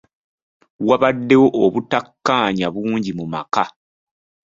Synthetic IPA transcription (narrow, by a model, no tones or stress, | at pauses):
waβadːe̞wo̞ʔoβutakːaːɲaβuːɲɟimumaka